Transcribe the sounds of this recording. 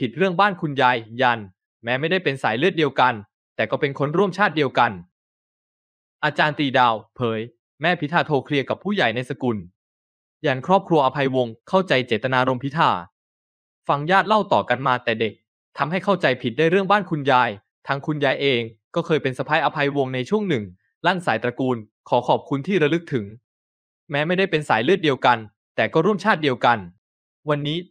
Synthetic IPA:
pʰi˨˩t̪̚ɾɯ˥˩əŋbaː˥˩nkʰu˧njaː˧jja˧n | mɛː˦˥ma˥˩jda˥˩jpe˧nsa̰ː˩˦jlɯ˥˩ət̪̚di˧əwka˧n | t̪ɛː˨˩kɔː˥˩pe˧nkʰo˦˥nɾu˥˩əmt͡ɕʰaː˥˩t̪̚di˧əwka˧n | ʔaː˧t͡ɕaː˧nt̪iː˨˩daː˧˩wpʰɤː˩˨˦j | mɛː˥˩pʰi˦˥t̪ʰaː˧t̪ʰoː˧kʰɾi˧əka˨˩pʰːuː˥˩ja˨˩jna˧jsa˧ku˧n | ja˧nkʰɾɔː˥˩p̚kʰɾu˧ɐʔa˧pʰa˧jwo˧ŋkʰa˥˩wt͡ɕa˧jt͡ɕeː˨˩t̪ːa˧naː˧ɾo˧mpʰi˦˥t̪ʰaː˧˩ | fa˧ŋjaː˥˩t̪̚la˥˩wt̪ɔː˨˩ka˧nmaː˧t̪ɛː˨˩de˨˩k̚ | t̪ʰa˧mha˥˩jkʰa˥˩wt͡ɕa˧jpʰi˨˩t̪̚daː˥˩jɾɯ˥˩əŋbaː˥˩nkʰu˧njaː˧j | t̪ʰa˦˥ŋkʰu˧njaː˧jʔeː˧ŋkɔː˥˩kʰɤː˧jpe˧nsa˧pʰa˦˥jʔa˧pʰa˧jwo˧ŋna˧jt͡ɕʰu˥˩əŋnɯ˨˩ŋ | la˥˩nsaː˩˦jt̪ɾa˧kuː˧n | kʰɔː˩˦kʰɔː˨˩p̚kʰu˧nt̪ʰiː˥˩ɾa˧lɯ˦˥k̚t̪ʰɯ˩˦ŋ | mɛː˦˥ma˥˩jda˥˩jpe˧nsaː˩˦jlɯ˥˩t̪̚di˧əwka˧n | t̪ɛː˨˩kɔː˥˩ɾu˥˩əmt͡ɕʰaː˥˩t̪̚di˧əwka˧n | wa˧nːiː˦˥

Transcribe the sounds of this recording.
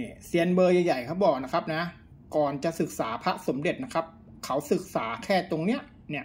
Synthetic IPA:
ni˥˩si˨˩˦ənbɤː˧ja˨˩ja˨˩jkʰa˨˦˥wbɔː˨˩k̚na˦˥kʰa˦˥p̚na˦˥ | kɔː˨˩nt͡ɕa˨˩ʔsɯ˨˩k̚saː˩˦pʰa˦˥ʔso˩˦mde˨˩t̪̚na˦˥kʰa˦˥p̚ | kʰa˦˥wsɯ˨˩k̚saː˩˦kʰɛː˥˩t̪o˧ŋni˦˥ɐʔ | ni˥˩ɐʔ

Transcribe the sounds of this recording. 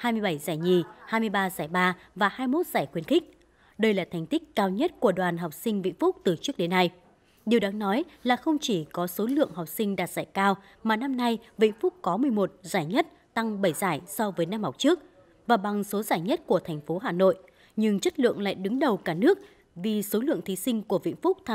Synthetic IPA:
haː˧jmɨ˧jɓə˧˩jzaː˧˩jɲi˨˩haː˧jmɨ˧əjɓaː˧zaː˧˩jɓaː˧ | vaː˨˩haː˧jmo˦˥t̚z̥aː˧˩jxwi˨˦ənxï˦˥k̚ | ɗə˧jlaː˨˩t̪ʰɛ˨˩jŋ̟t̪ï˦˥k̟̚kaː˧wɲə˦˥t̚ku˧˩əɗwaː˨˩nɦa˨˩wk͡p̚sï˧ŋ̟vḭ˧˥˨ŋ̟fʊ˦˥k͡p̚t̪ɨ˨˩t͡ɕɨ˦˥ək̚ɗe˨˦nːa˧j | ɗi˨˩wɗaː˨˦ŋnɔ˨˦jlaː˨˩xə˧wŋ͡mt͡ɕi˧˩kɔ˨˦so˨˦lɨ̰˧˨əŋɦa˨˩wk͡p̚sï˧ŋ̟ɗaː˨˩t̚z̥aː˧˩jkaː˧w | maː˨˩na˧mna˧jvḭ˧˥nfʊ˦˥k͡p̚kɔ˨˦mɨ˨˩əjmo˨˩t̚zaː˧˩jɲə˦˥t̚ | t̪a˧ŋɓə˧˩jzaː˧˩jsɔ˧vəː˨˦jna˧mha˨˩wk͡p̚t͡ɕɨ˦˥ək̚ | vaː˨˩ɓa˨˩ŋso˨˦zaː˧˩jɲə˦˥t̚ku˧˩ət̪ʰɛ˨˩ŋ̟fo˨˦ɦaː˨˩no̰˧˨j | ɲɨ˧ŋt͡ɕə˦˥t̚lɨ̰˧˨əŋla̰ː˧˨jɗɨ˨˦ŋɗə˨˩wkaː˧˩nɨ˦˥ək̚ | vi˨˩so˨˦lɨ̰˧˨əŋt̪ʰi˨˦sï˧ŋ̟ku˧˩əvḭ˧˥nfʊ˦˥k͡p̚t̪ʰa˧

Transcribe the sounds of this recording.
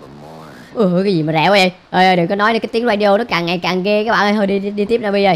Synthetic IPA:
ʔɨ˨˩ʔkaː˨˦jzi˨˩maː˨˩zɛ̰˧˨wʔa˨˦jʔə˧˩jʔəː˧˩jʔəː˧jɗə˨˩kɔ˨˦nɔ˨˦jə˨˩kːaː˨˦t̪i˨˦əŋzaː˧ɗi˧o˧nɔ˨˦kaː˨˩ŋːa˨˩jkaː˨˩ŋɣe˧kaː˨˦˥kɓa̰ː˧˨ʔə˧jhəː˧ɗi˧ɗi˧t̪i˦˥p̚naː˨˧˩ɓə˧zəː˨˩j

